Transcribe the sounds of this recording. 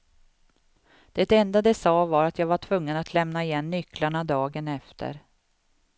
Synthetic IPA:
d̪̥ɛt̪ɛnd̪ad̪ɛsɑːvaɾat̪jaːɡvaʈʰvɵŋːənat̪ʰlɛmnaɪjɛnːʏklaɳad̪ɑːɡənɛft̪ʰə̰ɾ

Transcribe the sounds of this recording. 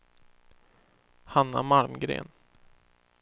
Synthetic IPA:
hanːamalmɡɾḛːn

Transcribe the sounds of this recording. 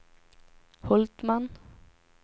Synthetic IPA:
hɔlt̪mɑn

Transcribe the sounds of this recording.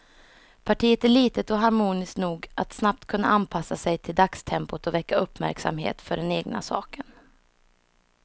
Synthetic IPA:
pʰaʈʰiːət̪æɭiːt̪ət̪ɔɦaɾmuːnɪsknuːɡʔat̪snap̚t̪kʰɵnːa̰ʔanpʰasːasɛjt̪ʰɪld̪akst̪ʰɛmpʊt̪ɔvɛkːaɵpːmæ̰ɾksa̰mɦḛːt̪fœɖɛneːɡna̰sɑ̰ːkən

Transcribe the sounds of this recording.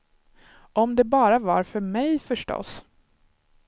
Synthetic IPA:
ʔɔmd̪ɛbɑːɾava̰ɾfœɾmɛjfœʂʈɔ̰s

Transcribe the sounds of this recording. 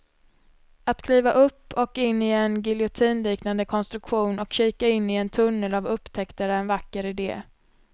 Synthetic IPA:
at̪kʰliːvaʔɵpːɔkɪnːɪɛnɡɪlɪʊt̪ʰiːnliːknand̪əkʰɔnst̪ɾɵkɧuːnɔkɕiːkaɪnːɪɛnt̪ʰɵnːəlavɵpːt̪ʰɛkt̪əɾəɾɛnvakːəɾɪd̪ḛː

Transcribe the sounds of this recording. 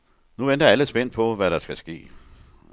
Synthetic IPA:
nuʋend̥ɐæləsb̥en̰pʰɒ̽ʋæɾɑ̈sɡ̥æsɡ̥e̝̰ː

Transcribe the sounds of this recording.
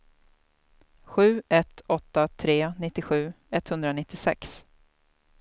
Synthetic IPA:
ɧʉ̟ːɛt̪ɔt̪ːat̪ʰɾeːnɪt̪ːɪɧʉ̟ː | ɛt̪hɵnd̪ɾanɪt̪ːɪsɛ̰ks

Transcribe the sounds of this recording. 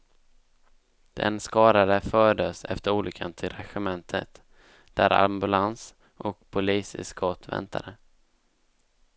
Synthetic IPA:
d̪̥ɛ̰nskɑːɾad̪əfœːɖəsɛ̰ft̪əɾuːlʏkʰːant̪ʰɪlɾɛɧɛmɛnt̪ʰət̪ | d̪̥æɾa̰mbɵlans | ʔɔkpʰʊliːsɪ̰skʰɔt̪vɛ̰nt̪ʰa̰d̪ə

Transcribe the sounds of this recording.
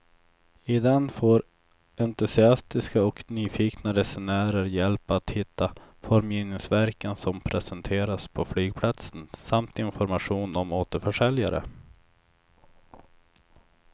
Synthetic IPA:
ɪd̪ɛnːfoːɾ | ɛnt̪ɵsɪast̪ɪskaɔknyːfiːknaɾɛsɛnœːɾəɾjɛlpat̪hɪt̪ːafɔɾmjiːnɪŋsvæɾkənsɔmpʰɾɛsɛnt̪ʰeːɾaspʰɔflyːɡ̚pʰlat̪sənsamt̪ɪnfɔɾmaɧuːnɔmoːt̪əɾfœʂɛljaɾə̰

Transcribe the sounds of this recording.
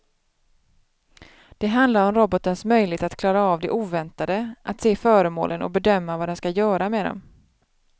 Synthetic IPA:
d̪̥ɛɦand̪laɾɔmɾɔbɔt̪ənsmœjlɪɡt̪at̪kʰlɑːɾaɑːvd̪ɛʔuːvɛnt̪ad̪əʔat̪seːfœːɾəmo̰ːlənɔ̰bɛd̪œmːavad̪ɛnskajœːɾamɛd̪ɔ̰m

